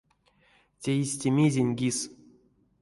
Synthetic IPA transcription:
tʲeisʲtʲemʲizʲenʲɡʲis

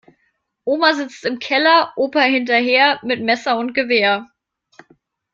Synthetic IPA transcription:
ʔoːmazɪt͡stɪmkʰɛlɐʔoːpɐhɪntɐɦeːɐmɪtmɛsɐʊnt̚ɡ̥əveːɐ

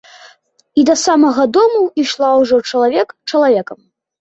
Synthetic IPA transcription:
id̪ɐsamɐɣɐd̪ɔmuiʂlˠawʐɔt͡ʂɐlˠavʲɛkt͡ʂɐlˠavʲɛkɐm

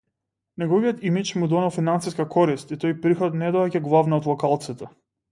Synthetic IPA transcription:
nɛɡɔvijɔt̪imit͡ʃmud̪ɔnɛlˠfinansiskakʰɔɾist̪it̪ɔjpɾixɔt̪nɛd̪ɔɛɟaɡlˠavnaɔd̪lˠɔkalˠt̪sit̪ɛ

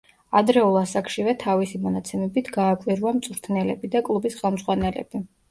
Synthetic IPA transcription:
ad̪ɾɛulˠasakʰʃivɛt̪ʰavisimɔnat̪sʰɛmɛbit̪ʰɡaːkʼwiɾuamt̪sʼuɾt̪ʰnɛlɛbid̪akʼlˠubisχɛlˠmzʁwanɛlɛ̰b̥i

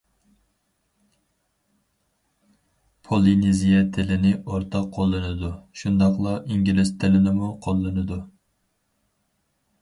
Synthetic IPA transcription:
pʰolˠinizijɛt̪ʰɪlɪnɪoɾt̪ʰɑqʰːolˠːɨnɨd̪uʃund̪ɑqlˠɑʔiŋɡʲilɪst̪ʰɪlɪnɪmuqʰolˠːɨnɨd̪u

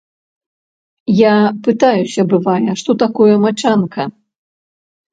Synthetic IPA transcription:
japɨt̪ajusʲɐbɨvajɐʂt̪ɔt̪akɔjɐmat͡ʂankɐ

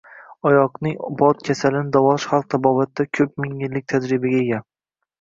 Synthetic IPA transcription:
ɒjɒqnɪŋbɒt̪̚kʲʰasalɪnɪd̪avɒʃχalˠq̚t̪ʰabɒvat̪ːakʲʰɵp̚mɪŋɪlːɪk̚ʲt̪ʰad͡ʒɾɪbaɡʲaeɡʲa

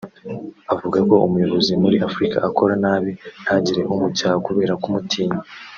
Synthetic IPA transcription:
avuɡako̞umujo̞βo̞zimuɾiafuɾika̰ʔːko̞ɾanaːβinhaɲɟiɾe̞ʔomucaːhakuβe̞ːɾakumutʰiːɲa

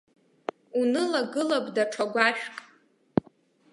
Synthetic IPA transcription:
unɨlaɡɨlabʼdaʈ͡ʂʰaɡʷaʃᶣkʼ

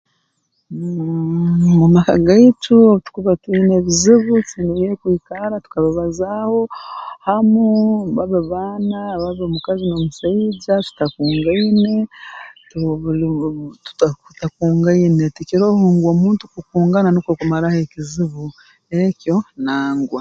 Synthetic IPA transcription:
mumaka̰ɡaitʰutu̥kuβatwineːβiziβut͡sinijekwiːkaɾatu̥kaβaβazaho̞hamuβaβeβaːnaβaβemukazinomusaiɟatu̥takuːŋɡaine̞tuβ | tu̥takutakuːŋɡaine̞tikiɾohuːŋɡoːmuːntukukuːŋɡananokwkumaɾahekiziβu | eko̞naːŋɡwa

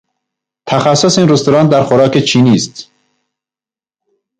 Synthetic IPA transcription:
t̪ʰæxæsːosiːnɾust̪oɾɑːnd̪æɾxoɾɒːket͡ʃʰiːniːst̪

